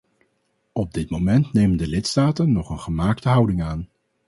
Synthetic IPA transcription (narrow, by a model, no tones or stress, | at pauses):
ɔb̚dɪtmomɛntnejməndəlɪtstaːtənːɔχənχəmaːktəɦʌwdɪŋaːn